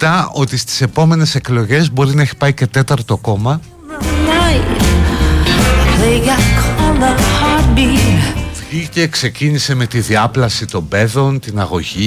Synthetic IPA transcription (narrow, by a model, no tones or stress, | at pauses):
t̪ɐʔo̞t̪ist̪i̥se̞po̞me̞ne̞se̞klo̞ʝe̞zbo̞ɾinɐe̞çi̥pɐice̞t̪e̞t̪ɐɾt̪o̞ko̞mɐ | t̪aj | ɐlejʝɐkʰoðɐhaɾbi | ice̞kse̞cinise̞me̞t̪iðiɐplɐsit̪o̞mbe̞ðo̞nt̪inɐɣo̞ʝi